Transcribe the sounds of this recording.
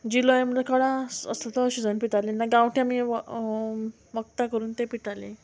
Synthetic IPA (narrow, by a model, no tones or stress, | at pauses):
d͡ʑilɔjam̤lakəɽasə̰slat̪ɔɕud͡zənpiʈalenaɡãwʈʰiami | ʋək̚t̪akəɾuːnt̪epiʈale